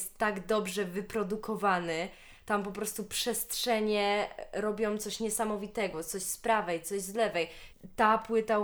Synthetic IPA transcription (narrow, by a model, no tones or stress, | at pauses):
st̪ːaɡd̪ɔbʐɛvɘpɾɔd̪ukɔvanɘ | t̪ampɔpɾɔst̪upʂɛstʂɛɲɛɾɔbʲjɔ̃w̃t̪sɔɕɲɛsamɔvʲit̪ɛɡɔt̪sɔɕspɾavɛjt̪sɔʑzlɛvɛj | t̪apwɘt̪a